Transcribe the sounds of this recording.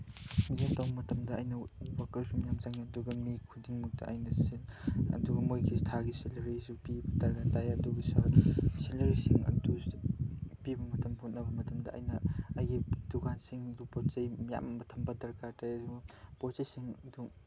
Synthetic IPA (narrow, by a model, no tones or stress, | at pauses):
mizantawbɐmɐtɐmdɐajnɐwakɐɾsumijamzaŋiɐduɡɐmikʰudiŋmuk̚tɐ̰ʔa̰jnɐsiɐ̰duɡɐmojkʰistʰaɡiselɐɾizupibɐdɐɾɡatajɐduɡɐsaselɐɾisiŋɐ̰du | pibɐmɐtɐmhot̚nɐbɐmɐtɐmdɐʔa̰jnɐajɡidukansiŋɐdupott͡ʃɐjmija̰mːɐtʰɐmbɐdɐɾkadaupotzɐjsiŋɐdu